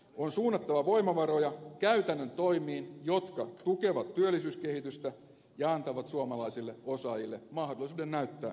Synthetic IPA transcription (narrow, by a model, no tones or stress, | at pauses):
onsuːnːɑt̪ːɑʋɑʋo̞imɑʋɑɾo̞jɑkæyt̪ænːønt̪o̞imiːnjo̞t̪kɑt̪uke̞ʋɑt̪tyølːisyːske̞hit̪yst̪æ | jɑɑnt̪ɑʋɑt̪suɑmɑlɑisilːeo̞sɑjilːe̞mɑɦdolisuːdennæyt̪ːæ̰ː